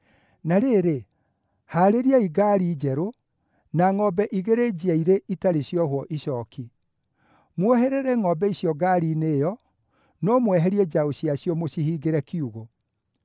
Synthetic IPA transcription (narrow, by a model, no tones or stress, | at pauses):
naɾeɾe | haːɾeɾiaiɡaɾiːd͡ʒɛɾo | naŋɔbɛʔiɣeɾed͡ʑiaiɾeʔitaɾeɕjɔhwɔʔiɕɔki | mwoheɾɛɾɛŋɔbɛisjɔɡaːɾiːneːjɔ | nɔmwɛɦɛɾiɛd͡ʒaoɕiaɕjɔmoɕihiɡeɾɛkiuɣo